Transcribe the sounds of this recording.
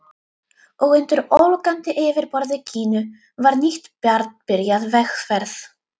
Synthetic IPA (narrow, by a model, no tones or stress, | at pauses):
ɔɣʏnt̪ʏɾowlkant̪ɪʔɪːvɪɾpɔɾðɪcʰiːnʏ | vaɾniht̪pjaɾt̪npɪɾjaðvɛxfɛɾθ